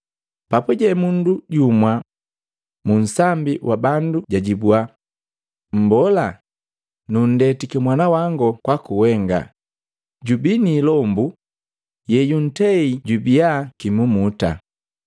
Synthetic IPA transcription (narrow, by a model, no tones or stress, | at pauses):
papuɟɛmunduɟumwa | mun̩sambiwʔabanduɟaɟibua | m̩bɔla | nun̩dɛtikɛmwanawaŋɡɔkwakuwɛŋɡa̰ | ɟubiniːlɔmbu | jɛjun̩tɛiɟubiakimumuta̰